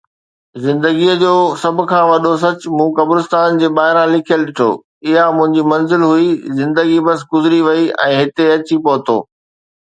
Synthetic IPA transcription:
zɪ̃nd̪əɡiəd͡ʑoːsɐbʱʊ̆kʰãːʋɐɗos̬ɐt͡ɕ̆mũːkɐbɾɪst̪aːnd͡ʑeːɓaːɦɪɾãlɪkʰijəlɗɪʈʰo̰ː | ɪɦamʊ̃ɦɪ̃ɲd͡ʑimɐnzɪlɦuizɪ̃nd̪əɡibɐs̬ɡʊzɪɾiʋɐiɛ̰̃ːɦɪt̪eɐt͡ɕipoːt̪ʰo̰ː

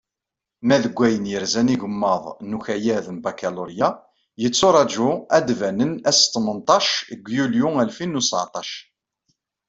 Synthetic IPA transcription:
mæðəɡʷːæjənjəɾzæniʝəmːəðˤnuçæjæðəmbækæluɾja | jət͡sːʊɾˤɑd͡ʒʊæd̪vænənæst̪ˤːmənt̪ˤɑʃəɡʷːjuljuælfinːusʕt̪ˤɑʃ

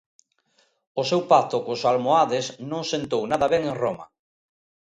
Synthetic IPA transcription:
ʊsewpat̪ʊkʊsalmoaðesnõŋsent̪ownaðɐβɛŋẽŋroma̰

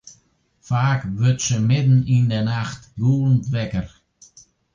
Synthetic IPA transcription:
faːkʋøtsəmɪdn̩indənaxtɡuːln̩tʋɛkər

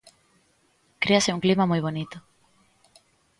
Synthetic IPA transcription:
kɾeaseuŋklimamujβonit̪o

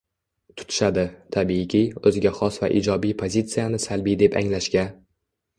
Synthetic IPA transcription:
t̪ʰʊ̥t̪ʰɪ̥ʃad̪ɪt̪ʰabiːkʲiɵzɪɡʲaχɒsva̰ʔḭd͡ʒɒbijpʰozʲit̪sɨjanɪsalbijd̪e̞pa̰ŋlaʃkʲa

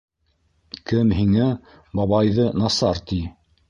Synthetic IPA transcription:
kɘmɦiŋæ | bɑβɑjðɤnɑsɑɾt̪i

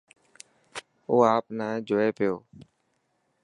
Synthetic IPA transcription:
oːaːpnaːẽːd͡ʒoːeːpɪjoː

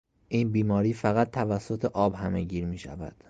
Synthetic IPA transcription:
ʔiːnbiːmɒːɾiːfæɣæt̪̚ʰt̪ʰːævæsːot̪ʰeʔɒːbhæmeɟiːɾmiːʃæ̰væ̰d̪̥

